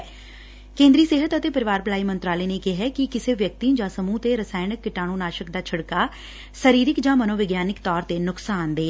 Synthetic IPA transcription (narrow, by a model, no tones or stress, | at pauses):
kẽːnd̪ɾiːseːɦət̪ət̪eːpəɾɪʋaːɾpəlaːiːmə̃nt̪ɾaːleːneːkɪɦɛːkɪkɪseːʋjək̚t̪id͡ʒãːsəmũːt̪eːɾəsaːɪnɪkːɪʈaːɽũːnaːʃəkd̪aːt͡ʃʰəɽkaː | səɾiːɾɪkd͡ʒãːmənoːʋɪɡjaːnɪkt̪ɔːɾt̪eːnʊksaːnd̪eː